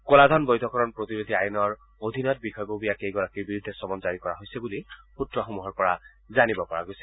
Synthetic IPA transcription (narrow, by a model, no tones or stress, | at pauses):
kɔlad̪ʱɔnbɔjd̪ʱɔkɔɹɔnpɹot̪iɹod̪ʱiajnɔɹ | od̪ʱinɔt̚bikʰɔjbobijakejɡɔɹakiɹbiɹud̪ʱːɛsɔmɔnzaɹikɔɹaɦojsɛbuliputɹɔxomuɦɔɹpɔɹa | zanibɔkɔɹa̰ɡojsɛ̥